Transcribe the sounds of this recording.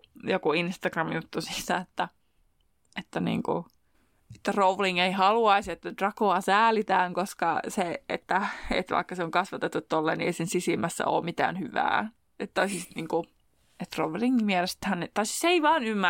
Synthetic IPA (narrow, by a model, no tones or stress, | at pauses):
jokuinst̪ɑɡrɑmjut̪ːusi̥sːɑet̪ːæ | et̪ːænḭːŋkṵ | e̥t̪ːæroʋliŋeihɑluɑisiet̪ːædrɑkoɑsæːlit̪æːŋkoskɑseet̪ːæḛt̪ʋɑ̰ikːɑseoŋkɑsʋɑt̪et̪ːut̪t̪olːḛːnieisensisimæsːæ̰o̰ːmit̪æ̰ːnhyʋæ̰ː | ʔet̪t̪ːoisist̪niːŋku | et̪roʋliŋmiælest̪hænet̪ɑisiseiʋɑːnymːæ